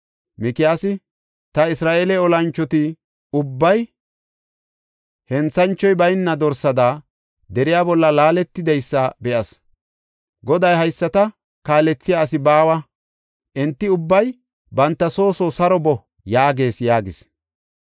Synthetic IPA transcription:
mɪkɪjaːsɪ | t̪ɐɪsɾaːʔeːlɛɔlɐnt͡ʃːɔt̪ɪ | ʊbːɐj | hɛnt͡sːɐnt͡ʃːɔjbɐjnːɐd̪ɔɾsɐd̪aː | d̪ɛɾɪjaːbɔlːɐlaːlɛt̪ːɪd̪ɐjsːɐbɛʔɐs | ɡɔd̪ɐjɦɐjsːɐt̪ɐ | kaːlɛt͡sːɪjaːs̬ɪbaːwɐ | ʔɛnt̪ːɪʊbːɐj | bɐnt̪ːɐso̞ːsɔsɐɾɔbɔ | jaːɡe̞ːsjaːɡɪs

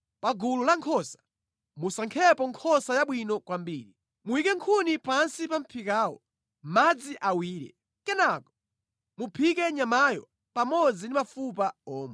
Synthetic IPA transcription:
paɡululaŋkʰɔsḁ | musaŋkʰɛpɔŋkʰɔsajaɓwinɔkwambiːɾi | muwikɛŋkʰunipansipam̩pʰikaːwɔ̰ | mad͡ziʔawiːɾɛ̰ | kɛnakɔ̥ | mupʰikɛɲamajɔ | pamɔd͡zindimafupaɔːmɛ

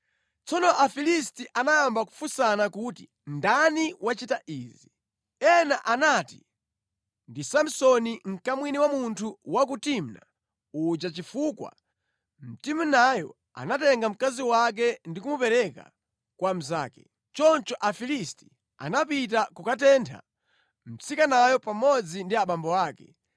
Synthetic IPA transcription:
t͡sɔnɔʔafilistiʔanajambaku̥fusanakuti | ndaniwʔat͡ʃitaʔiːzi | ɛnaʔanati | ndisam̩sɔniŋ̩kamwiniwamuntʰuwak̬utimna̰ | ut͡ʃat͡ʃifukwa̰ | m̩timunajɔ̰ | a̰natɛŋɡam̩kaziwak̬ɛndikumupɛɾɛka̰ | kwam̩za̰ːkɛ | t͡ʃɔnt͡ʃɔʔafilisti̥ | a̰napit̬akukatɛntʰa̰ | m̩t͡sikanajɔpamɔd͡zindiaɓambɔaːkɛ

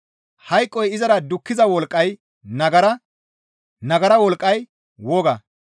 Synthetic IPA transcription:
hɐjkʼːɔjɪzɐɾɐd̪ʊkːɪzɐwɔlkʼːɐj | nɐɡɐɾɐ | nɐɡɐɾɐwɔlkʼːɐj | woːɡɐ

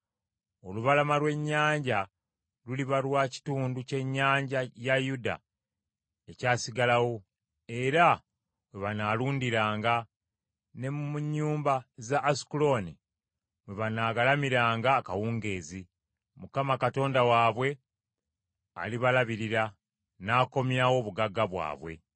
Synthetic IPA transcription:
o̞luβalamalwe̞ɲːaːɲɟa | luliβalwaːci̥tuːnduce̞ɲːaːɲɟajajuda̰ | e̞caːsiɡalawo̞ | e̞ɾa | weβanaluːndiɾaːŋɡa | ne̞mumuɲːuːmbazaʔːsi̥kulo̞ni | mweβanaːɡalamiɾaːŋɡaːkawuːŋɡe̞ːzi | mukamakato̞ːndawaːβwe̞ | a̰liβalaβiɾiɾa | naːko̞mjawo̞ːβuɡaɡːaβwa̰ːβwe̞̰

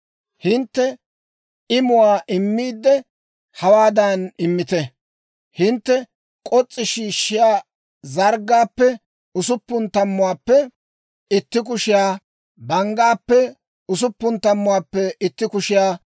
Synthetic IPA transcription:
hɪnt̪ːɛ | ɪmʊwaːʔɪmːiːd̪ːɛ | hɐwaːd̪ɐnɪmːɪt̪ɛ | hɪnt̪ːɛ | kʼɔt͡sʼːɪʃiːʃːɪjaː | zɐɾɡːaːpːɛ | ʊsʊpːʊnt̪ɐmːʊwaːpːɛ | ɪt̪ːɪk̬ʊʃɪjaː | bɐŋɡaːpːɛ | ʊs̬ʊpːʊnt̪ɐmːʊwaːpːɛɪt̪ːɪkʊʃɪjaː

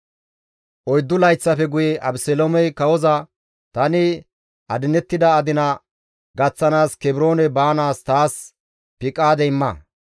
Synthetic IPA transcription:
ʔɔjd̪ːʊlɐjt͡sːɐfɛɡʊjɛʔɐbsɛlomɛjkɐwɔzɐ | t̪ɐnɪ | ʔɐd̪ɪnɛt̪ːɪd̪ɐːd̪ɪnɐ | ɡɐt͡sːɐnaːskɛbɪɾo̞ːnɛbaːnaːst̪aːs | pɪkʼːaːd̪ɛɪmːɐ

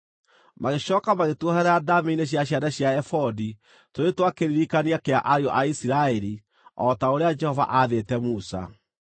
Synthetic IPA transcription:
maɣeɕɔːkamaɣetwɔhɛɾaadameineɕ̬jaɕ̬jadaɕjaɛfɔdi | toɾetwakeɾiɾikaniakeaʔaɾeɔʔaisiɾaɛɾi | ɔtaoɾead͡ʒɛhɔva̰ʔaðetɛmusa̰

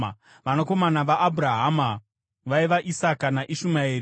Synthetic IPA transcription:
ʋanoko̞manaʋaʔːbuɾaɦama | ʋaiʋaʔisakanaʔiʃumaeːɾi

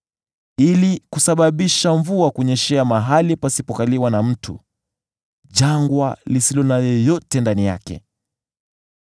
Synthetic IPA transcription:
ilikusaɓaɓiʃaɱvuakuɲɛʃɛamaɦalipasipɔkaliwanam̩tʰṵ | ʄaŋɡwalisilɔnajɔjɔtɛndanija̰kɛ̰

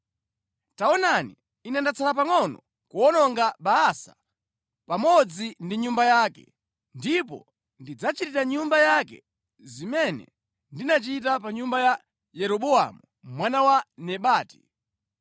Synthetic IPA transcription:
taɔnani | inɛndat͡sʰalap̬aŋɔnɔ | kuɔnɔŋɡaɓaasḁ | pamɔd͡zindiɲumbajaːkɛ̰ | ndip̬ɔ̰ | ndid͡zat͡ʃitiɾaɲumbajakɛ̰ | zimɛnɛ̰ | ndinat͡ʃitapaɲumbaja | jɛɾɔɓua̰mu | mwanawanɛɓaːti̥

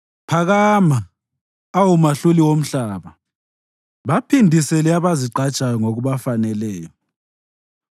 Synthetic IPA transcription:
pʰaɣaːmaː | wumaɬuliwom̩ɬaːβa | βapʰindʱisɛliaβaziǃat͡ʃʼajɔŋoɣuβafanɛlɛːjɔ

